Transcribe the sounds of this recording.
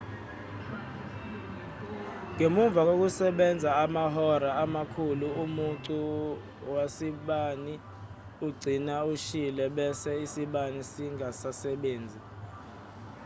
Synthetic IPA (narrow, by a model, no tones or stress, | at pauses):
ŋemuɱvʱak̬ok̬usɛɓɛnd͡zʱaːmahɔɾaamakʰuluumuntu | wasiɓani | uɡ͡ǀʱinauʃilɛɓɛsɛisiɓanisiŋasasɛɓeːnd͡zʱi